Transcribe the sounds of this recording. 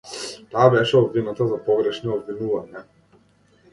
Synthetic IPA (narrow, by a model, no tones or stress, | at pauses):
t̪aːbɛʃɛɔbvinat̪azapɔɡɾɛʃniɔbvinuvaɲa